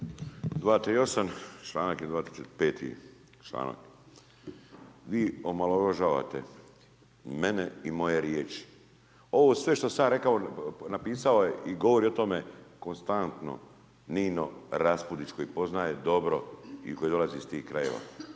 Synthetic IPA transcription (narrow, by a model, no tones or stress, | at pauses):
d̪ʋaːt̪ɾio̞sant͡ʃlˠaːnakild̪ʋaːt̪iset̪peːt̪ʰḭ | t͡ʃla̰ːna̰k | ʋiːomalˠoɾoʒaːʋa̰t̪ḛ | meneimo̞jeɾjeːt͡ʃi̥ | o̞ʋosʋe̞ʃt̪osaɾe̞kaonapiːsaojeʔiɡo̞ʋoɾio̞t̪o̞me̞ko̞nst̪ant̪no̞̰ | niːnoɾaspud̪it͡ʃko̞jipo̞znaːjed̪o̞bɾo̞ḭko̞jid̪o̞lazist̪iːhkɾajḛʋa̰